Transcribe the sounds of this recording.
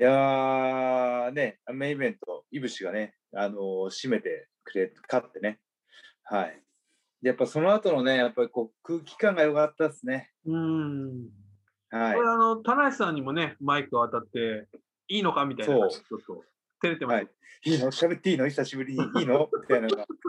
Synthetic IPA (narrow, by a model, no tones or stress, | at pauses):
ja | ne̞amẽĩmẽ̞nt̪o̞ibɯ̟ɕiɡane̞ | ano̞ɕime̞t̪e̞ | kɯ̟ɾe̞kat̪ːe̞ne̞ | hai | d̪ejapːaso̞no̞at̪o̞no̞ne̞japːaɾʲiko̞ːkɯ̟ːkʲi̥kãŋɡajo̞kat̪ːasɨne̞ | ɯ̟̃ː | haioeaːno̞t̪anaɕisãɲ̟imo̞ne̞maikɯoat̪at̪ːe̞ | iːno̞kamʲit̪aionːaot̪ːo | t̪eɾe̞t̪e̞maa | iːnoɕabe̞t̪ːiːnoisaɕibɯ̟ɾʲiɲ̟iːno̞mʲi̥t̪ainaɡa